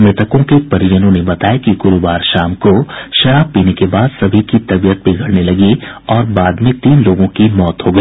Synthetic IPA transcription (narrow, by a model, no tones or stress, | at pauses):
mɪt̪ʰəkõkepɐɾɪjənõnebɐt̪aːekiɡʊɾuʋaːɾʃaːmkoʃɐɾaːb̚piːnekebaːd̪sɐbʱikit̪ɐbijət̪̚biɡʱɐɽnelɐɡi | ɔːɾbaːd̪mẽt̪iːnloːɡõkimɔːt̪ɦoɡɐiː